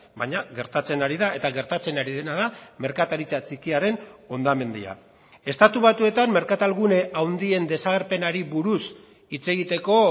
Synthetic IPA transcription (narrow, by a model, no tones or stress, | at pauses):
baɲaɣe̞ɾt̪at͡se̞naɾiðae̞t̪aɣe̞ɾt̪at͡se̞naɾiðe̞naðame̞ɾkat̪aɾit͡sat͡sikiaɾe̞no̞nd̪ame̞nd̪ḭa̰ | e̞st̪at̪uβat̪ue̞t̪amme̞ɾkat̪alɣune̞ʔawnd̪ie̞nd̪e̞saɣeɾpe̞naɾiβuɾus | it͡se̞ɣit̪e̞ko̞